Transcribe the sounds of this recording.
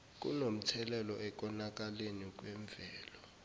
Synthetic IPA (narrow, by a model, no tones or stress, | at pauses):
k̬ʼṵnom̩tʰɛlɛlɔʔɛk̬ʼɔnak̬ʼalenik̬ʼwɛɱb̪vʱɛːlɔ